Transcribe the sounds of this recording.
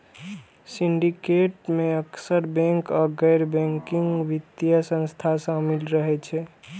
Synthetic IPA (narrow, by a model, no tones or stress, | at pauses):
siɳɖikeʈmeəksəɾbɛ̃ŋkɔɡɛjɾbɛ̃ŋkiŋɡʋit̪jəsə̃nst̪ʰasə̃milɾəɦɛt͡ʃʰɛ